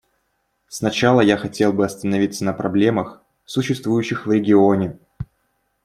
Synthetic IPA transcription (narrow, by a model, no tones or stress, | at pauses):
snɐt͡ɕalˠəjaxɐtʲe̞lˠbɨɐst̪ənɐvʲit̪sənəpɾɐblʲe̞məx | sʊɕːɪst̪vujʉɕːɪxvɾʲɪɡʲɪonʲɪ